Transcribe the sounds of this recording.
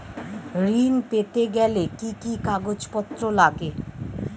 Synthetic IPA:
ɾinpet̪eɡɛlekikikaɡod͡ʑpɔt̪ːɾolaɡe

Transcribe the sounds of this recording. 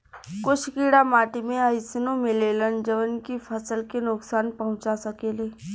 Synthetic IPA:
kʊt͡ʃʰkiːɽamaːʈimẽəɪsɪnõmɪlelənd͡ʒəʋənkifʰɐsəlkenʊksaːnpɐɦʊ̃t͡ʃasɐkeːleː

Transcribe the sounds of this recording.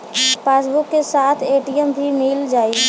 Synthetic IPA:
peːsbʊkːesaːt̪ʰeːʈijəmbʱimɪld͡ʒaːi

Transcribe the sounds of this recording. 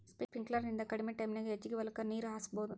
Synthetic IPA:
spipiŋklɐɾnind̪ɐkɐɽimeʈɐjmnɐɡeɦet͡ʃːiɡiʋɐlɐkːɐniːɾuɦaːsɐboːd̪u

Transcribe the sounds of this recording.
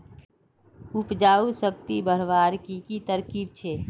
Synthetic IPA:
ʊpd͡ʒaːusək̚t̪ibəɾʋaːɾkikit̪əɾkiːb̚t͡ʃʰeː

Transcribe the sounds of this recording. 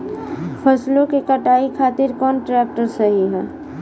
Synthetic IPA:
pʰɐslõkekɐʈaːikʰaːt̪ɪɾkɔːnʈɾɛːk̚ʈəɾsɐɦiɦɛː

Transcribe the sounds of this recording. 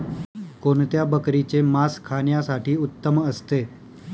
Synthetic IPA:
kont̪jabəkɾit͡semaskʰaɳjasaʈʰiːut̪ːəməst̪e

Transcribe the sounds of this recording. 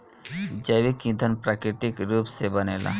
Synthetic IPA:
d͡ʒəwikĩd̪ʱənpɾakɾit̪ikɾuːpsebənela̰

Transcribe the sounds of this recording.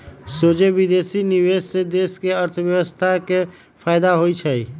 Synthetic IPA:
sod͡ʒeʋid̪esiniwed͡ʒsed̪eːskeəɾt̪ʰʋjəwəst̪ʰake | pʰaɪd̪aɦoit͡ʃʰəi

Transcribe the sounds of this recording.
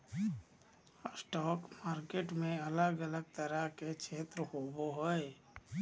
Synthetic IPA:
sʈɔːkmaːɾkeːʈmẽɐləɡələɡ̚t̪əɾəket͡ʃʰeːt̪ɾəhoːboɦɛe

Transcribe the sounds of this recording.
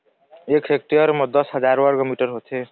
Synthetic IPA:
ekʰsek̚ʈiʌɾmʌd̪ʌsɦʌd͡zaɾwʌɾɡʌmiʈʌɾɦot̪ʰe

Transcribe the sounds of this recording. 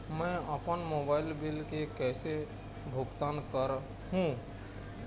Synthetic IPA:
mɛ̃əpənmoːbaːɪlbɪlkekɛːse | bʱʊɡt̪aːnkəɾ | ɦũ

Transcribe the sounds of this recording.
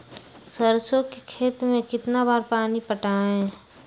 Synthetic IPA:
səɾsõkekʰeːt̪mẽkɪt̪nabaːɾpaːnipəʈaːɦɛ̃ː

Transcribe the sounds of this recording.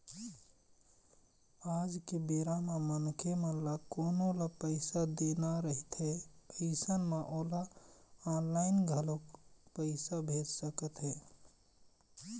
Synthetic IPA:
ad͡ʒkebeɾamemənkʰemẽlakonolapəɪsad̪enaɾəɦit̪ɦepʰisənmeʔolaanlaɪnɡʱəlokpəɪsabʱed͡ʒsəkət̪ɦe

